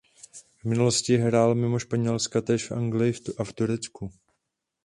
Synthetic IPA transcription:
vmɪnulo̞scɪɦɾaːlmɪmo̞ʃpaɲɛlskat̪ɛːʃfʔa̰ŋɡlɪjɪaft̪uɾɛt͡sku

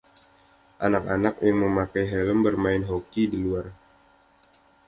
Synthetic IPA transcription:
ʔanak̚anak̚jaŋməmakajɦɛləmbərmaɪnɦokidiluar

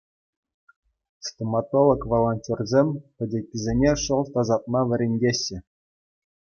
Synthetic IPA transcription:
st̪ʲomɑt̪olˠŏkʋolˠonʲtʲorzʲemʲpʲɘ̆dʲekʲːizʲenʲeʂŏlˠt̪ɑzɑt̪̚mɑʋʲɘ̆ɾʲenʲdʲeɕːɘ̆

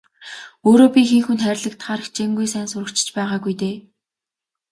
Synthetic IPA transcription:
oːɾoːpʲiːxiŋxunχæːɾʲɮə̆kt̪χaːɾə̆xt͡ɕeŋɡujsæːnsʊɾə̆kt͡ɕɪ̥̆t͡ɕpæːʁaːɡujt̪eː

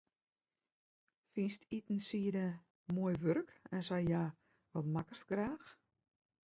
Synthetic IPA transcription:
finstʰitn̩siədə | moəjʋørkɛnsajjaː | ʋɔtmakərstɡraːx

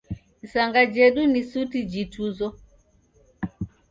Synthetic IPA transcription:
saŋɡad͡ʒɛɗunisutid͡ʒituzɔ

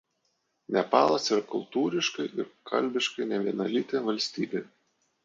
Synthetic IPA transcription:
nʲɛpɑːlˠɐsɪɾɐkʊ̰lˠt̪uːɾʲɪʃkɐɪʔɪɾkʰɐ̰lʲbʲɪʃkɐɪnʲɛʋʲiɛnɐlʲit̪ʲeʋɐlʲsʲt̪ʲiːbʲeː

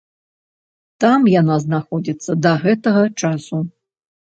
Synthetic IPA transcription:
t̪amjanaznaxɔd͡zʲit̪sːɐd̪ɐɣɛt̪ɐɣɐt͡ʂasu

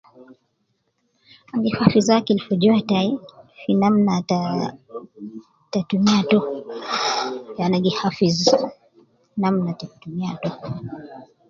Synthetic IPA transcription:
aŋɡifafizakilfɔd͡ʒɔataifinamnata | tatumiatɔ | anaɡihafiz | namnatatumia̰tɔ

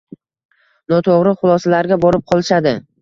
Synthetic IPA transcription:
nɒt̪ʰoʁɾɪχʊlˠɒsalaɾɡʲabɒɾɪp̚qʰɒlˠɪʃad̪ɪ

